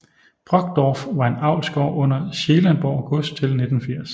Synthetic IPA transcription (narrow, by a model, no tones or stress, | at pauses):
b̥ʁɒ̽ɡ̥̚d̥ɒːfʋɑ̈e̝nɑ̈ʊ̰lsɡ̥ɒ̰ːʔɔ̽n̰ɐɕe̝ːlænb̥ɒ̰ːɑʊɡ̥ɔ̽sd̥̚t͡sʰe̝lne̝d̥n̩fiɐ̰s